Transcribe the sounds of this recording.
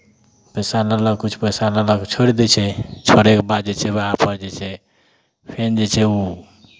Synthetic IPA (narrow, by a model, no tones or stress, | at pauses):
pəsalələɡ̚kut͡ʃʰpəjsalələɡt͡ʃʰoɾid̪ɛt͡ʃʰɛt͡ʃʰoɽekebad̪d͡ʒet͡ʃʰɛbeapəɾd͡ʒɛt͡ʃʰɛ | pʰend͡ʒet͡ʃʰɛu